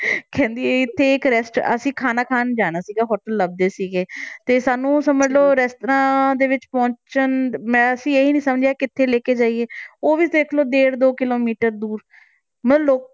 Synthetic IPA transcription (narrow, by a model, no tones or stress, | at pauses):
kʰɛ̃ːnd̪ieɪt̪ʰːeːɪkɾɛːsʈə̰sĩːkʰaːnaːkʰaːnd͡ʒaːɽ̃aːsiːɡaːɦɔːʈəlːəb̚d̪eːsiːɡeːt̪eːsaːnũːsəməd͡ʒloːɾɛːstɾãːd̪eːʋɪt͡ʃpɔ̃ːɲt͡ʃənmɛ̃ːəsĩːeɦiːnĩːsəmd͡ʒeaːkɪt̪ʰːeːleːkeːd͡ʒaːiːeːoːʋiːd̪eːkʰloːd̪eːɾd̪oːkɪloːmiːʈəɾd̪uːɾ | məloː